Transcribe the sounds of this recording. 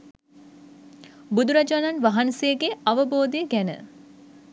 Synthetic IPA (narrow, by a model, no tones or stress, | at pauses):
bud̪uɾad͡ʒananʋaɦansejəɡeaʋəboːd̪ejəɡænə̰